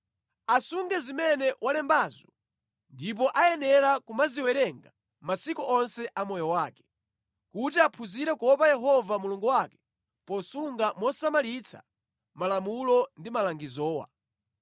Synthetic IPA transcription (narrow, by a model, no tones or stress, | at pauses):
asuŋɡɛzimɛnɛwʔalɛmbaːzɔ | ndip̬ɔʔajɛnɛɾakumaziwɛɾɛŋɡa | masikɔʔɔnsɛʔamɔjɔwaːkɛ̥ | kutiapʰuziɾɛkɔpajɛɦɔvamuluŋɡuwakɛ̥ | pɔsuŋɡamɔsamalit͡sʰa̰ | malamulɔndimalaŋɡizɔːwa̰